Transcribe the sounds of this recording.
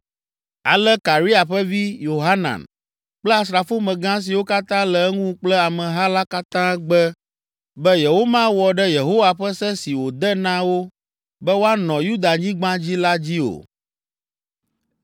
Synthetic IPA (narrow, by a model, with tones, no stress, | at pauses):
a̰˨lɛ˦ka˨ɾi˦a˨ɸɛ˦vi˦jo˨ɦa˦nã̰˨n | k͡plɛ˦a˨sɾa˨fo˦mɛ̃˨ɡã˦s̬i˨wo˦ka˦t̪ã˦lɛ˨ɛ˦ŋũ˦k͡plɛ˦a˨mɛ̃˨ɦa˦la˦ka˦t̪ã˦ɡ͡bɛ˦ | bɛ˦je˨ɦo˦mã˦wɔ˨ɖɛ˦je˨ɦo˦wa˨ɸɛ˦sɛ˦si˨wo˨d̪ɛ˦nã˦wo˦ | bɛ˦wo˦a˦nɔ̃˨ju˦d̪a˨ɲĩ˦ɡ͡bã˦d͡ʑi˦la˦d͡ʑi˦o̰˨